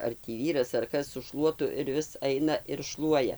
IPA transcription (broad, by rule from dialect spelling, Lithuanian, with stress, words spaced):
ɐr tʲiː ˈʋʲiːrɐs ɐr ˈkɐs sʊ ˈʃlˠuɔtʊ ɪr ˈʋʲɪs ˈɐɪnɐ ɪr ˈʃlˠuɔjɛ